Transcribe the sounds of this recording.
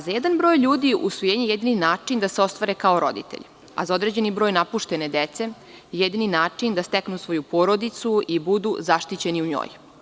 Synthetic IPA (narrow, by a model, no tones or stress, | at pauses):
zajɛd̪anbɾo̞ːjʎuːd̪iʔṵsʋojeːɲejed̪ininaːt͡ʂind̪aseo̞st̪ʋaɾekaoɾo̞̰d̪ḭt̪e̞̰ʎ | a̰zao̞d̪ɾed͡ʑe̞nibɾo̞ːjnapuʃt̪e̞ne̞d̪et̪se̞ | jed̪ininaːt͡ʂind̪ast̪eknusʋo̞jupo̞ɾo̞d̪it̪suibud̪uzaʃt̪it͡ɕe̞niuɲo̰ːj